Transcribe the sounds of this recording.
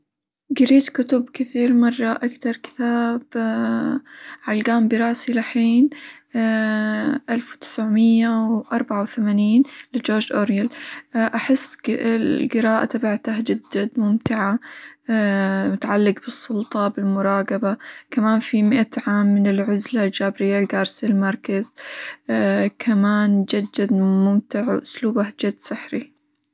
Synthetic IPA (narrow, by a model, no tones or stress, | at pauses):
ɡɪɾiːt̪kʊt̪ʊbkɪθiːɾmɑrˤːɑʔakt̪ɑɾˤkɪ̥t̪aːb | ʕalɡaːmbiɾˤɑːsilaħiːn | ʔalfwt̪ɪ̥sʕmɪjːawʔɑɾˤbaʕawθamaːniːnlɪd͡ʒoːɾd͡ʒʔoɾjalʔaħɪsː | ɡɪɾɑːʔat̪abaʕt̪ahd͡ʒɪd̪ːamʊmt̪ɪʕa | mʊt̪aʕalːɪqbɨsˤːʊlt̪ˤɑbɪlmʊɾˤɑːqɑbakamaːnfimɪʔat̪ʕaːmːɪnɪlʕʊzlald͡ʒaːbɾɪjːalɡaːɾˤsalmɑɾˤkaz | kʰamaːnd͡ʒad̪ːad̪mʊmt̪ɪʕʔʊsluːbahd͡ʒad̪ːsɪħɾi